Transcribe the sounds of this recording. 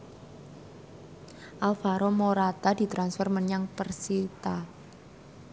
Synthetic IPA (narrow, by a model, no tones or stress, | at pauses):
ʔalfaɾɔmoɾad̪̥ad̪̥i̤t̪ɾansfərmənaŋpərsit̪a